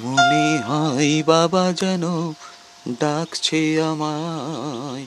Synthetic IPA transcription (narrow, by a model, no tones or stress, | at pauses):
ɦuniɦãjbabad͡ʒɛno | ɖ̪akʰt͡ɕʰeama